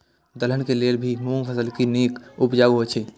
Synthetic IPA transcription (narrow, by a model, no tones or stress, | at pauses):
d̪əl̤ənkeleːlbʱimũŋpʰəsəlkineːkʊpd͡ʒaːɡɦot͡ʃʰe